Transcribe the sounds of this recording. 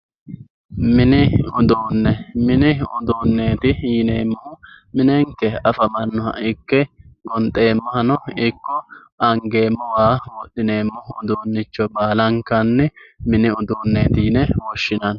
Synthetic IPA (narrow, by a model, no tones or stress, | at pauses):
mɪnɪʊd̪oːnːɛmɪnɪʊd̪oːnːe̞ːt̪ɪjɪneːmːʊhʊ | mɪnɛŋkːɛɐfɐmɐnːʊhɐ̰ʔɪkːɛɡɔnt̪ʼːe̞ːmːɐhɐnɔɪkːɔ | ɐŋɡe̞ːmːɔwaːwɔɗːɪne̞ːmːʊɦʊd̪oːnːɪt͡ʃːɔbaːlɐŋkːɐnːɛmɪnɪʊd̪oːnːeːt̪ɪjnɛwɔʃːɪnɐn